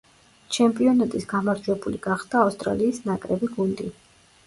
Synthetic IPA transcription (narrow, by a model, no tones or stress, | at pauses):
t͡ʃʰɛmpʼiɔnat̪ʼisɡ̥amaɾd͡ʒwɛbuliɡaχd̪̥aːfst̪ʼɾa̰liːsnakʼɾɛbiɡund̪i